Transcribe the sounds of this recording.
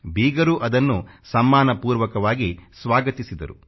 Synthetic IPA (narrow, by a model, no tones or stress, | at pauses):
biːɡɐɾuʔɐd̪ɐnːusɐmːaːnɐpuːɾʋɐkɐʋaːɡisʋaːɡɐt̪isid̪ɐ̰ɾu